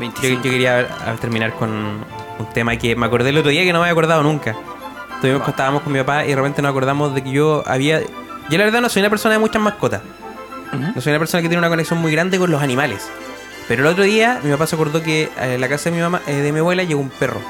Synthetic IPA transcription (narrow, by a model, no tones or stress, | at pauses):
ojokeɾiaa̰t̪e̞ɾminaɾkon | unt̪emakemeako̞ɾðeːlot̪ɾoðiakenomeajako̞ɾðaðonuŋka | t̪uimoket̪aβamokonmipapaḭðerepe̞nt̪enosako̞ɾðamozðek̬eʝoa̰βiajolaβeɾðanoso̞junapeɾso̞naðemut͡ʃamahkot̪a | nosojunapeɾso̞naket̪jenunako̞neksjomujɣɾand̪ekonlosanimales | peɾolot̪ɾoðiamipapaseako̞ɾðok̬elakasaðemimamaʔeðemiaβwe̞laʝeɣoumpero̰